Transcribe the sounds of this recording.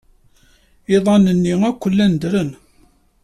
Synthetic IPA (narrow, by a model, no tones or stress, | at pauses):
ɪðˤɑnənːiækʷːəlːænd̪ɾən